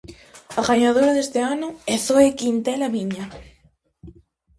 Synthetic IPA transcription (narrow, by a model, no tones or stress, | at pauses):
aɣaɲaðoɾaðest̪eanʊeθoekint̪elamiɲa